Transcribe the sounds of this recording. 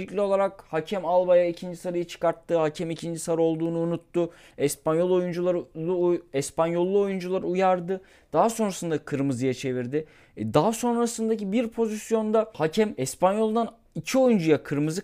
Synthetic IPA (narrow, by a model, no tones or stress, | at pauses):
icʲlʲio̞lˠaɾakhacʰɛmalˠbajaicʰind͡ʒisaɾajɯt͡ʃʰɯ̥kaɾt̪ʰːɯhacʰɛmicʰind͡ʒisaɾo̞lˠd̪uːnuːnut̪ːʊ | ɛspanjo̞lˠo̞jund͡ʒulˠaɾɯuɛspanjo̞lˠːuo̞jund͡ʒulˠaɾɯujaɾd̪ɯ | d̪̥aɦaso̞nɾasɯnd̪akʰɯɾmɯzɯjat͡ʃʰe̞viɾd̪ɪ | d̪aɦaso̞nɾasɯnd̪acibiɾpʰo̞zisjo̞nd̪ahacʰɛmɛspanjo̞lˠnd̪an | icʰio̞jund͡ʒujakʰɯɾmɯzɯ